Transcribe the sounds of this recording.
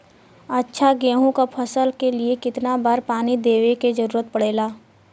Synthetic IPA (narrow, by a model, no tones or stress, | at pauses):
ətːʃʰaɡeːɦõkapʰɐsəlkeliekɪt̪nabaːɾpaːnid̪eːʋeked͡ʒɐɾuːɾət̪̚pɐɽ̤eːlaː